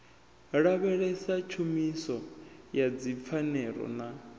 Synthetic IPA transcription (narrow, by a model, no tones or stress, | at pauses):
ɺaβɛɺɛsat͡ʃʰumisɔjad͡zip̪fʰanɛɺɔ̰na